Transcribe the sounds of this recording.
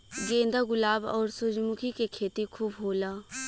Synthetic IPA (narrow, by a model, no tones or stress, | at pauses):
ɡẽːnd̪aɡʊlaːbɔːɾsʊd͡ʒmʊkʰikekʰeːt̪ikʰuːbɦoːlaː